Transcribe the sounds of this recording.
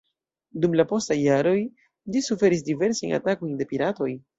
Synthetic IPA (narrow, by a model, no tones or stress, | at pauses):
dumlapo̞stajːaɾo̞j | lisufe̞ɾis̬dive̞ɾsajna̰tako̞jnde̞piɾato̞j